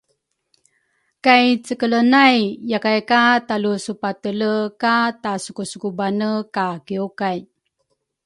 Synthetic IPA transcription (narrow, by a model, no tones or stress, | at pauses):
kajt͡səkələnajjakajkatalusupatələkatasukusukubanəkakiukaj